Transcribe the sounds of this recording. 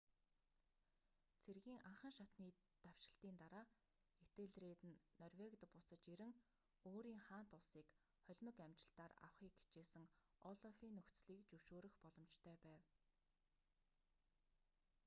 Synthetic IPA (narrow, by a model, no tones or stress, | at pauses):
t͡sʰerɣiːŋʔaɴχə̆ŋʃat̪niː | t̪aw̥ʃɪ̆ɬt̪iːnt̪aɾaː | et̪eːɮreːt̪ɘ̆nːɔrwekt̪pʊsə̆t͡ɕeɾɘ̆ŋ | oːɾiːŋχaːn̥t̪ʊɮsiːk | χœɮʲmə̆kæmt͡ɕɪ̥̆ɬt̪aːra̰wχiːkɡi̥t͡ɕeːsɘ̆ŋ | ɔɮɔfiːnːɵxt͡sɮiːkt͡ɕɵwʃoːɾɵ̆xpɔɮɞ̆mt͡ɕt̪ʰœːpæːw